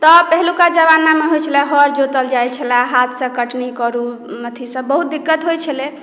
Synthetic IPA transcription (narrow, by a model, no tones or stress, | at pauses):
t̪ɔpəɦlukad͡ʒəβanːameɦojt͡ʃʰəlɛɦəɾd͡ʒot̪əld͡ʒajt͡ʃʰəlaɦat̪ʰsə̃kəʈnikəɾu | nət̪ʰisə̃bbəɦut̪̚d̪ikːət̪ɦojt͡ʃʰəle